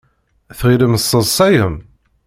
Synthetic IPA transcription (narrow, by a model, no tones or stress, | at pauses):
θʁiləməsˤːəðˤsˤæjəm